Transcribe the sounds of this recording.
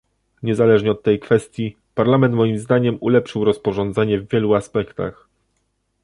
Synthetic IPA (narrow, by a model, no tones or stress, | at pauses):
ɲɛzalɛʐɲɛɔt̪ːɛjkfɛst̪ʲji | paɾlamɛnt̪mɔjimzd̪aɲɛmulɛpʂɘwɾɔspɔʐɔnd̪zɛɲɛvːʲjɛluaspɛkt̪a̰x